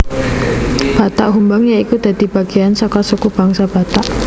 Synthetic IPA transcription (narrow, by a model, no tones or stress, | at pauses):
b̥a̤t̪aʔɦumbaŋjaikud̪̥a̤d̪̥i̤b̥aɡ̥eansɔkasukub̥aŋsab̥at̪aʔ